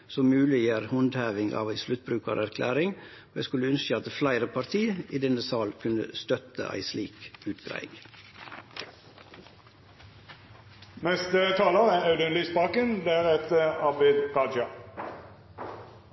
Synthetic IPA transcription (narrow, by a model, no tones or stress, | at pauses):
sɔmʉːlɪjəɾhɔnd̪hæːʋɪŋɑ̰ːʋæɪslʉt̪̚bɾʉːkɑɾæɾkʰlæ̰ːɾɪŋ | oːjæɪskʉləʉnsəɑt̪̚d̪əflæɪɾəpʰɑɾt̪ʰiːiːd̪ɛnəsɑːlkʰʉnə̰st̪œt̪ə̰ʔæ̰ɪsliːkʉːt̪ɡɾæ̰ɪɡ | nɛst̪ət̪ʰɑːləʁəæɑʉd̪ənlɪspɑːkənd̪eæʁɛt̪əɑbɪd̪ʁɑd͡ʒɑ